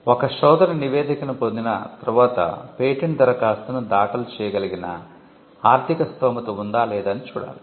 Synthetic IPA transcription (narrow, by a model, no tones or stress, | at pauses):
ɔkɐʃɔːd̪ɐɾɐniʋeːd̪ikɐnupond̪inɐ̰t̪ɐɾuʋaːt̪ɐ̰peːʈind̪ɐɾɐkaːst̪ɐnud̪aːkɐlt͡ʃɛːjɐɡɐliɡinɐ̰ | aːɾt̪ʰikɐst̪ʰɐːmɐt̪ɐund̪aːlɛːd̪ɐnit͡ʃuːɽa̰ːli